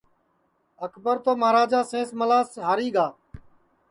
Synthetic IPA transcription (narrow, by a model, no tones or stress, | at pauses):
əkʰbəɾt̪oːmaːɾaːd͡ʒaːsẽːsməlaːsɦaːɾiːɡaː